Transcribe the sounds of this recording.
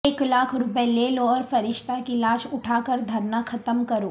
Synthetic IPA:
eːklaːkʰɾʊpəɛleːloɔːɾfɐɾɪʃt̪akilaːʃʊʈʰaːkəɾd̪ʱɐɾnaxʰɐt̪əmkɐɾoː

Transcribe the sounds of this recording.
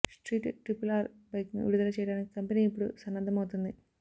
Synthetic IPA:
sʈriːʈːɨʈripːulaːrbɐjkːnɨ̰ʋḭɽuðɐlɐt͡ɕejʈaːnɨkɐmbɐniipːoɽusɐnːɐnd̪ʱːɐmoːt̪ːunːɨ

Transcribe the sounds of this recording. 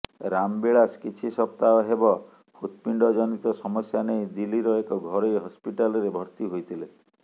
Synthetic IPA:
ɾambiɭaskit͡ʃʰisɔpt̪aɔɦebɔ | pʰut̪̚piɳɖɔd͡ʒɔnit̪ɔsɔmɔsjanejd̪iliɾɔekɔɡʱɔɾɔjɦɔspiʈalɔɾebʱɔɾt̪iɦojt̪ʰile

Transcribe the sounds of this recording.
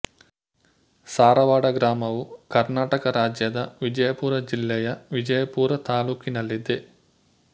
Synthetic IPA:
saːɾɐʋaːɽɐɡɾaːmɐʋukɐɾnaːʈɐkɐɾaːd͡ʒjɐd̪ɐʋid͡ʒɐjɐpuːɾɐd͡ʒilːɛjɐʋid͡ʒɐjɐpuːɾɐt̪aːluːkinɐlːid̪e

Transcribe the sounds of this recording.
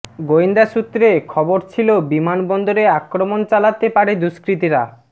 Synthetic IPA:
ɡoind̪aʃut̪ːɾekʰɔboɾt͡ɕʰilobimanbɔnd̪oɾeakɾomont͡ɕalat̪epaɾed̪uʃkɾit̪iɾa

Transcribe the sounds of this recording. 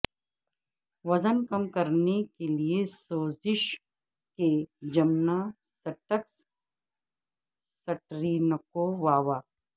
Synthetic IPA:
ʋɐzənkɐmkɐɾnekeliesoːzɪʃ | ked͡ʒɐmna | sɐʈəks | sɐʈɾiːnəkoʋaːʋaː

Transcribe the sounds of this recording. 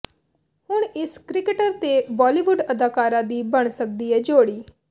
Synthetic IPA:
hʊɳ̃ɪskɾɪkəʈəɾt̪ebɔːliːʋʊɖəd̪aːkaːɾãːd̪iːbəɽ̃sək̚d̪iɛd͡ʒoːɽiː

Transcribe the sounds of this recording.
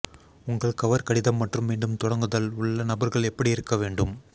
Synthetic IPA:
ʊŋɡɐɭkɐʋɐɾkɐɽɪðɐmːɐʈrɯmʋeːɳɖɯmt̪ɔɽɐŋɡɯðɐlʊɭːɐnɐbɐɾɣɐɭɛpːɐɽiɪɾɯkːɐʋeːɳɖɯm

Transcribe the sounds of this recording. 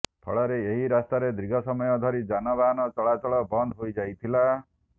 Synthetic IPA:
pʰɔ̰ɭɔɾeeɦiɾast̪aɾed̪ɾiɡʱɔsɔmɔjɔd̪ʱɔɾid͡ʒanɔbanɔt͡ʃɔɭat͡ʃɔɭɔbɔnd̪ʱɦojd͡ʒajt̪ʰila

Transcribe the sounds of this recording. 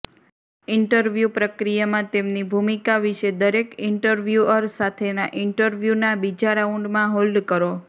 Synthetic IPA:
ɪɳʈəɾʋjupɾəkɾijamãt̪emnibʱumikaʋiʃed̪əɾekɪɳʈəɾʋjuəɾsat̪ʰenaʔɪɳʈəɾʋjunabid͡ʒaɾauɳɖmãɦold̪kəɾo

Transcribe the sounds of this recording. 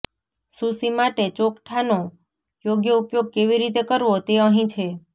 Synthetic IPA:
susimaʈet͡ʃokʈʰano | joɡjəupjoɡ̚keʋiɾit̪̬ekəɾʋot̪eəɦĩt͡ʃʰe

